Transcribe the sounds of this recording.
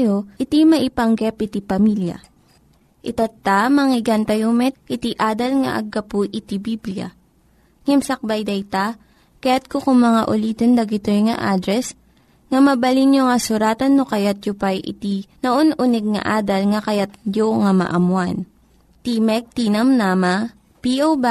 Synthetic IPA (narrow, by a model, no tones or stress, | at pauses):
joʔɪt̪imɐʔɪpɐŋɡɛpʔɪt̪ipɐmiljɐ̰ | ʔɪt̪ɐt̪ːamɐŋɪɡant̪ɐjomɛt̪̚ʔɪt̪iʔaːd̪ɐlŋɐ̰ʔɐ̰ɡːɐpuʔɪt̪ibibljɐ̰ | ŋɛmsɐk̚bajd̪ɐjt̪a | kɐjat̪̚kokʊŋmɐŋa̰ʔʊlid̪ond̪ɐɡɪt̪ojŋɐ̰ʔaːd̪ɾɛs | ŋɐmɐbɐlinjoŋɐsʊɾaːt̪ɐnːokɐjat̪̚jʊpajʔɪ̰t̪inɐʔonʔʊnɛɡ̚ŋɐ̰ʔaːd̪ɐlŋɐkɐjat̪̚joŋamɐ̰ʔɐmwan | t̪imɛk̚t̪inɐmnaːma | piʔoba